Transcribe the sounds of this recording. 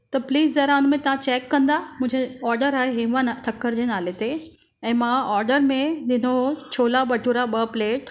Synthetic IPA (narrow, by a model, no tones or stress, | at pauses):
t̪ɐpliːzdɐɾaːnmẽt̪ɐʋ̤ãt͡ɕeːkːɐ̃nd̪amʊ̃ːɲd͡ʑeɔːɾɖəɾaːɦeɦɪ̃ʋanʈʰɐkːəɾd͡ʑenaːlet̪e | ɛ̃ːmãɔːɾɖəɾmẽd̪ɪnot͡ɕʰoːlabɐʈʰuɾaɓəpleːʈ